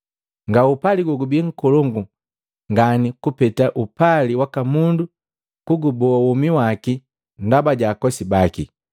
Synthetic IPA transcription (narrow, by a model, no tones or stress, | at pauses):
ŋɡaupaliɡɔɡubiŋ̩kɔlɔŋɡu | ŋɡanikupɛtaʔupaliwakamundu | kuɡubɔawumiwaki | ndabaɟaːkɔsibaki